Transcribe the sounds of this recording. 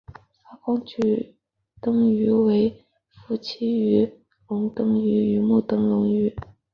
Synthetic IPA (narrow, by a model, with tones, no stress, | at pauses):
t͡sa˥kɑ˥ŋt͡ɕy˨˩ | t̪ɤ˥ŋy˧˥we˧˥ɪ | fu˥˩t͡ɕʰi˥y˧˥ | lʊ˧˥ŋt̪ɤ˥ŋy˧˥y˧˥mu˥˩t̪ɤ˥ŋlʊ˧˥ŋy˧˥